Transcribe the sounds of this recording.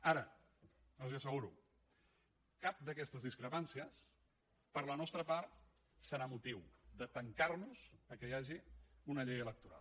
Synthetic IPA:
aɾə | əlziəsəɣuɾṵ | kap̚d̪əkɛst̪əzðiskɾəpansiəs | pəɾlənɔst̪ɾəpaɾt̪̚ | səɾamut̪iwd̪ət̪əŋkarnuz̥əkəjaʒiunəʎejələk̚t̪uɾa̰l

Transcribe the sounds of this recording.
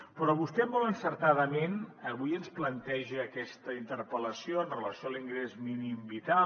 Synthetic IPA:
pɾɔβust̪ɛmɔlˠənsəɾt̪aðəmenəβujənsplənt̪ɛʒəːkɛst̪əint̪əɾpələsijoənrələsioəliŋɡɾezminimbit̪a

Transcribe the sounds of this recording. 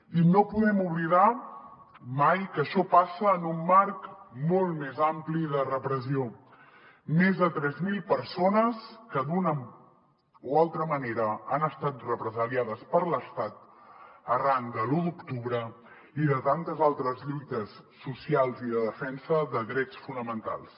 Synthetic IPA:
inopuðɛmuβliða | majkəʃɔpasəːnumːaɾkmolˠt̪mezampliðərəpɾəzio | mezðət̪ɾɛzmilˠpəɾsonəskəd̪unə | ualˠt̪ɾəməneɾəːnəst̪at̪̚rəpɾəzəliaðəspəɾləst̪at̪əraŋkd̪əludukt̪uβɾə | iðət̪ant̪əzalˠt̪ɾəzʎujt̪əsːusialˠziðəðəfɛnsəðəðɾɛt͡sfunəmənt̪a̰lˠs

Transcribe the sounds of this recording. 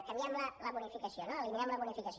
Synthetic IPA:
k̪amiamlalabunifikasionalimiamlaβunifikas

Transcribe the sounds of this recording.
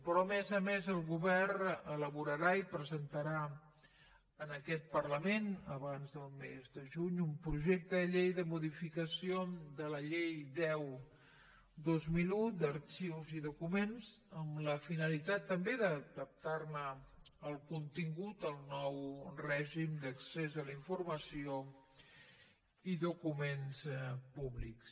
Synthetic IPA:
pɾɔmezəmezəlˠɣuβɛrrnələβuɾəɾaipɾəzənt̪əɾa | ənəkɛt̪̚pərləmenəβanzðəlˠmezd̪əʒuɲumpɾuʒek̚t̪əəʎejðəmuðifikəsiod̪ələʎejd̪ɛw | d̪ozmilud̪əɾt͡ʃiwziðukumenz | əmləfinəlit̪at̪ːəmbeðəd̪əp̚t̪arnə | əlˠkunt̪iŋɡut̪əlˠnɔwrɛʒimd̪əksezəliɱfurməsio | iðukumenspuβliks

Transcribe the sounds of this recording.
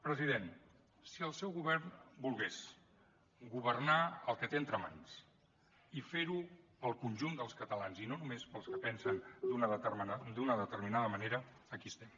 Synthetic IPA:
pɾəziðen | siəlˠsɛwɣuβɛɾnbulˠɣes | ɡuβ̞ərnaəlˠkət̪eənt̪ɾəma̰ns | ifeɾu | əlˠkunʲʒund̪əlˠskət̪əlanzinonumespəlˠskəpɛnsənd̪unəmd̪unəðət̪əɾminaðəməneɾəː | kiəst̪ɛm

